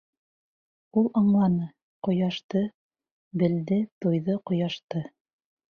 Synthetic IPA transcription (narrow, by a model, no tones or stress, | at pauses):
ulˠɑɴlˠɑnɤ | qŏjɑʃt̪ɤ | bɘ̆ld̪ɘt̪ujðɤqŏjɑʃt̪ɤ